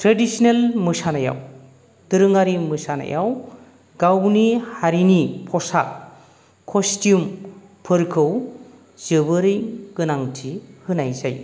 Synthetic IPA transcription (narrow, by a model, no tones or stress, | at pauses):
tɾedisinelmɯsanaja̰w | d̥ɯɾɯŋaɾimɯsana̰ja̰w | ɡ̥awnihaɾinipʰɔsa̰k̚ʰː | ɔstjum | pʰɯɾkʰɯw | z̥ɯbɯɾɯjɡ̥ɯnaŋtʰihɯnajzaj